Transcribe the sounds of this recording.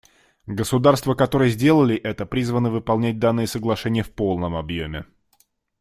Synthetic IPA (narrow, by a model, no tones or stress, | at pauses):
ɡəsʊd̪arst̪vəkɐt̪o̞ɾɨjəzʲdʲe̞lˠəlʲɪʔɛt̪əpɾʲizvənːəvɨpɐlˠnʲæt̚ʲd̪anːɨjəsəɡlˠɐʂɛnʲɪjəfpo̞lˠnəmɐbjomʲɪ̰